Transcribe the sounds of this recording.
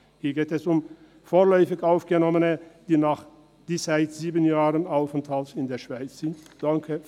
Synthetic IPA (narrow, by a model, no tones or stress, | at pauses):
hiːɐɡeːtɛsʊm | foːɐlɔʏfɪçaʊfɡ̥ənɔmənəd̥iːnaːχ | d̥ɪshaɪtz̥iːbənjaːʁənaʊfɛntʰhaltɪndeːɐʃv̥aɪt͡sz̥ɪntd̥aŋkʰə